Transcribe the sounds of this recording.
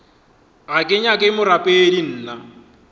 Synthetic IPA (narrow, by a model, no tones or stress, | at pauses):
akʼɪɲakʼɪmʊɾapʼeːdin̩ːna